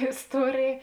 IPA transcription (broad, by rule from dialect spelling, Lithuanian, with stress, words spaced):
ɪsˈtuɔrʲeːj